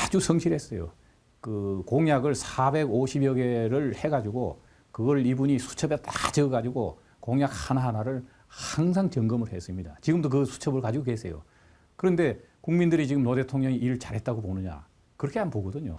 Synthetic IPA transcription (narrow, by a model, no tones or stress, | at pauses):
ad͡ʑusʰʌŋɕʰiɾhe̞s͈ʌjo̰ | kɯkoŋjaɡɯɭsʰabe̞ɡoɕʰibjʌɡe̞ɾɯɭhe̞ɡad͡ʑiɡo̰ | kɯɡʌɾibuɲisʰu̥t͡ɕʰʌbetat͡ɕɯɡad͡ʑiɡo | koŋjak̚hanaɦanaɾɯɭ | haŋsʰaŋt͡ɕʌŋɡɯmɯɭhe̞s͈ɯmɲida̰t͡ɕiɡɯmdok̬ɯsʰu̥t͡ɕʰʌbɯɭkad͡ʑiɡokesʰe̞jo̰ | kɯɾʌnde̞ | kuŋmindɯɾit͡ɕiɡɯmnode̞tʰoŋɲʌŋiʔiɾɯɭt͡ɕaɾɦe̞t̚t͈aɡoponɯɲa̰ | kɯɾʌkʰeanpoɡʌdɯɲo̰